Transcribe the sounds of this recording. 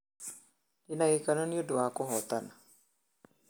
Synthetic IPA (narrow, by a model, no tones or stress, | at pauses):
dinaɡikanɔniodwakɔɦɔt̪ana